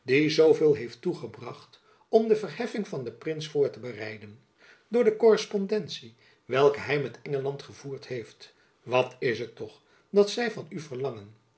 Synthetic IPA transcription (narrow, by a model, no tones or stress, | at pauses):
dizowvɪːlˠɦejftuχəbrɑχt | ɔmdəvərɦɛfɪŋvɑndəprɪnsfʊːɹtəbərɛjdən | dʊːɹdəkɔrəspɔndɛntsi | ʋɛlˠkəɦɛjmɛtʰɛŋəlɑntχəvuːɹtɦejft | ʋɑtɪsɦətːɔχ | dɑtsɛjvɑnyvərlɑŋən